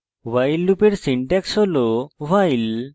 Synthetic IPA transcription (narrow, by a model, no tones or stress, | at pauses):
wajlːupeɾsiɳʈɛksɦolowajl